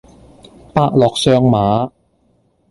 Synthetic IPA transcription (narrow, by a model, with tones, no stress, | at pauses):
paː˧˥k̚lɔː˨˩k̚sœː˧ŋmaː˨˧˥